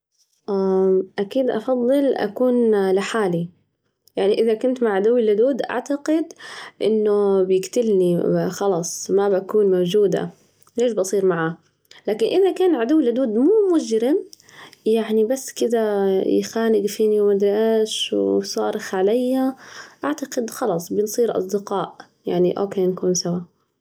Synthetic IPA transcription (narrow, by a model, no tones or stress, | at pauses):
ʔaʔakiːd̪ʔɑ̰fɑðˤːɨlʔa̰kuːnlɪħaːli | jaʕniʔɪðakʊnt̪maʕad̪ʊwːɪlːʊd̪uːd̪ʔa̰ʕt̪aqɪd̪ʔɪnːʊbjɪkt̪ɪlnixɑlɑːsˤmabakuːnmawd͡ʒuːd̪a̰ | leːʃbɑsˤiːɾmaʕaː | laːkɪnʔɪðakaːnʕad̪ʊwːɪlːʊd̪uːd̪muːmʊd͡ʒɾɪm | jaʕnibasːkɪd̪aj̰xaːnɪɡfiːniwmad̪ɾʔaʃwsˤɑ̰ːɾɪxʕalajːaʔaʕt̪aqɪd̪xɑlɑsˤbɪnsˤiːɾʔɑ̰sˤd̪ɪqɑːʔ | jaʕniʔo̰ːkeːnkuːnsawa